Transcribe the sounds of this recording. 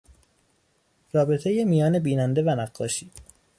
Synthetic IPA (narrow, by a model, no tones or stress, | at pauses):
rɒːbe̞t̪ʰejemijɒːne̞biːnænd̪evænæɢːɒ̰ːʃiː